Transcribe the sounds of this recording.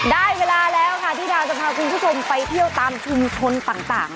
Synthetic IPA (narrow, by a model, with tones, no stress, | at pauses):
daː˥˩jweː˧laː˧lɛː˦˥wkʰa˥˩t̪ʰiː˥˩daː˧wt͡ɕa˨˩pʰaː˧kʰu˧npʰuː˥˩o˧mpa˧jt̪ʰi˥˩əwt̪aː˧mt͡ɕʰu˧mt͡ɕʰo˧nt̪aː˨˩ŋt̪a̰ː˨˩ŋ